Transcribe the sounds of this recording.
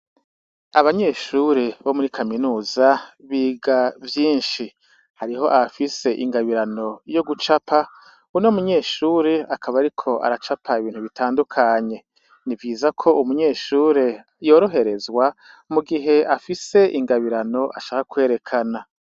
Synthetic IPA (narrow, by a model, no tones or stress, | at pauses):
aβaɲe̞ːʃuːɾeβo̞muɾikʰaminuːzaβiːɡavjiːnʃi | haɾiɦo̞ʔafise̞ʔiŋɡaβiɾano̞jo̞ɡut͡ʃapʰa | unomuɲe̞ːʃuːɾeakʰaβaɾikʰo̞a̰ɾat͡ʃapʰaiβiːn̥huβitʰaːndukʰaɲe̞ | nivɡiːzakʰo̞umuɲe̞ːʃuːɾe̞ | jo̞ːɾo̞ɦe̞ɾe̞zɡwa | muɡiɦe̞afise̞ʔiŋɡaβiɾano̞ʔaʃaːkakwe̞ːɾe̞kʰana